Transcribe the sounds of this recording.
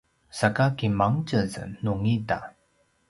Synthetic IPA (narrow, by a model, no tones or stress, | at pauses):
sakakimaŋt͡ɕəzə̰nuŋida̰